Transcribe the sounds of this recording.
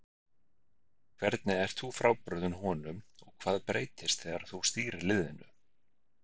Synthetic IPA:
kʰvɛɾt̪nɪɛɾ̥t̪θufɾaːwpɾœðʏnhɔːnʏmɔɣkʰv̥aːðpɾeːjt̪ɪst̪θɛɣaɾaθust̪iːɾɪlɪðɪnʏ̰

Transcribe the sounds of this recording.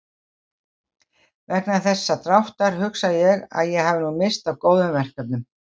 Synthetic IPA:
vɛhknaθɛsːat̪ɾawht̪aɾ̥hʏksajɛɣa̰ðjɛɣɦavɪnumɪst̪avkoːwðʏmvɛr̥kap̚nʏm

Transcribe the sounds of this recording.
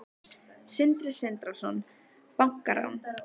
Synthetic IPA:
sɪnt̪ɾɪsɪnt̪ɾasɔn | paŋ̥kaɾa̰wn

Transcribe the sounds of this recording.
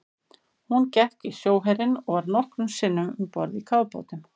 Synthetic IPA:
huncɛht̪isjoːwɦɛɾɪnɔɣvaɾnɔhkɾʏmsɪnːʏmʏmpɔ̰ɾðikʰaːwpo̰ːwt̪ɪm

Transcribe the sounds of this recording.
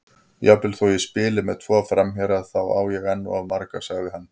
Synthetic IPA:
japɪlθoːjɛspɪːlɪmɛðt̪ʰvɔːfɾamçɛɾaðθawa̰ːwjɛɣɛnːʊ̰aðmaɾkasaɣðɪɦanː

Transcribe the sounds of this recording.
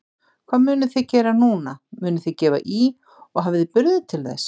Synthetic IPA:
kʰv̥aːðmʏːnʏθɛðcɛːɾanuːnamʏːnʏθɛcɛːva̰ʔi | ɔɣɦaːvɪðɪpʏɾðʏt̪ʰɪlθɛ̰s

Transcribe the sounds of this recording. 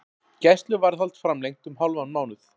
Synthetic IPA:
cɛst̪lʏvaɾθalt̪fɾamlejŋt̪ʏmɦawlvanmaːwnʏθ

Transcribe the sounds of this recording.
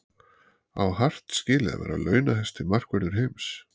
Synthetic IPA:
awhar̥t̪scɪːlɪða̰vɛ̰ːɾa̰lœːɥnaɦɛst̪ɪmar̥kvɛɾnʏɾ̥ɦejms

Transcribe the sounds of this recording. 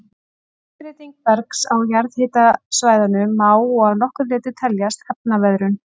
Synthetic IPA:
pɾɪːt̪iŋk̚vɛɾksawjaɾðhɪːt̪asvaːjðanʏmaːwɔɣaðnɔhkʏɾlɪːt̪ʏt̪ʰɛljast̪hɛpnavɛðɾʏn

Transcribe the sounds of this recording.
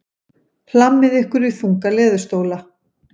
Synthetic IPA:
l̥amːɪðɛhkʏɾiθuŋkalɛːðʏ̥st̪oːwla

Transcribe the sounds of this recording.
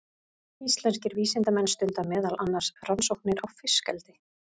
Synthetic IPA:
ist̪lɛnscɪɾviːsɪnt̪amɛnst̪ʏnt̪amɛːðalʔanːaɾ̥sransowhknɪɾawfɪskɛlt̪ɪ

